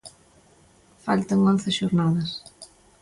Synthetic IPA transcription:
falt̪ɐŋonθɪʃoɾnaðɐs

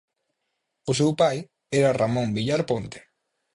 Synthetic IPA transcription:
ʊs̬ewpaj | ɛɾaramõmbiʎaɾpont̪e̥

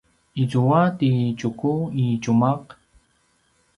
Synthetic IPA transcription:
it͡suwat̪it͡ʃʊkuit͡ʃumaq

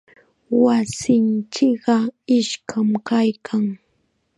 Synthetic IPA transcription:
wasɪnt͡ʃɪkɢɑɪʃkʰamkajkʰaŋ

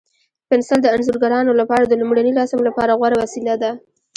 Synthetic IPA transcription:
pɪnsald̪əanzuɾɡaɾɑnolapɑɾad̪əlʊmɽanilɑsɪmlapɑɾaɣwaɾawasilad̪a

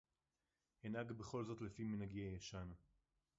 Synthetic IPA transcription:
henaɡbeχo̞lzo̞t̪lefiminaɡiajaʃan

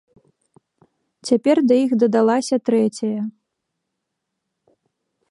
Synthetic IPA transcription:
t͡sʲapʲɛrd̪ɐjixd̪ɐd̪alˠasʲɐt̪ɾɛt͡sʲɐjɐ

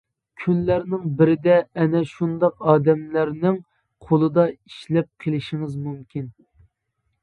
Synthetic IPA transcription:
kʲʰynlæɾnɪŋbɪɾɪd̪ɛːnɛʃund̪ɑqɑːd̪ɛmlæɾnɪŋ | qʰolˠɨd̪ɑiʃlɛp̚qʰəlˠɪʃiŋɨzmymkʲin

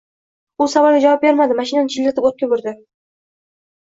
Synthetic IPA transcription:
ʊsavɒlˠɡʲad͡ʒavɑp̚be̞ɾmad̪ɪmaʃɪnanɪt͡ʃʰillat̪ɪpot̪̚kʲabʊɾd̪ɪ

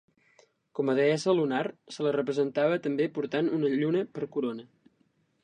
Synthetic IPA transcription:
kɔməðeɛsəlunarsələrəpɾəzənt̪aβət̪əmbepuɾt̪anunəʎunəpəɾkuɾonə

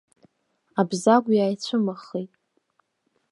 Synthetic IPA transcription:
abzaɡʷjaːjt͡ɕʷʰʊmaχijtʼ

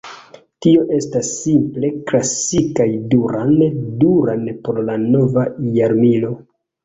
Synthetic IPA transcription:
tio̞ʔe̞stasːimple̞klasikajduɾanduɾanpo̞ɾlano̞vajaɾmilo̞

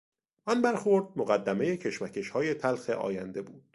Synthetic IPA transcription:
ʔɒnbæɾxoɾd̪̚moɣæd̪ːæme̞je̞cʰe̞ʃmæcʰe̞ʃhɒːje̞t̪ʰælxe̞̰ʔɒ̰ːjænd̪e̞buːd̪̥

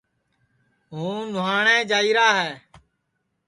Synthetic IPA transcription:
ɦũːnʊɦaːɳẽːd͡ʒaːiːɾaːɦɛː

